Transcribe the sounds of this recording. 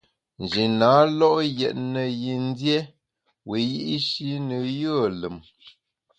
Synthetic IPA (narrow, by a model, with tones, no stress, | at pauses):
n̩˨d͡ʒi˨naː˨˦lɔ˦ʔjɛ˨t̚nə˨ji˨n˦dje˦ | we˨ji˦ʔi˦ʃi˦nə˨jə˦˨lə˨m